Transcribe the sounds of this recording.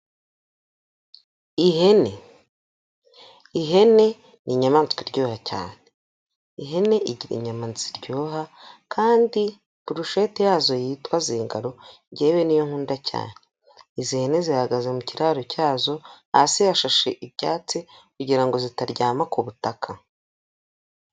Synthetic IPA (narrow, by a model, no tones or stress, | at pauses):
iɦene | iɦe̞ne̞ | niɲamaːnt͡skwiɾɟoːhaca̰ːne̞ | iɦe̞ne̞ʔiɟiɾḭɲamaːnt͡siɾɟoːɦakʰaːndi | puɾuʃetijaːzo̞jiːtwaziːŋɡaɾo̞ | ɟeːβe̞nijoŋ̥huːndacʰa̰ːne̞ | izihene̞zihaɡazemuciɾaːɾocaːzo̞ | a̰sijaʃaʃeʔibɟaːt͡sikuɟiɾaŋɡo̞zitaɾɟaːmakuβutakʰa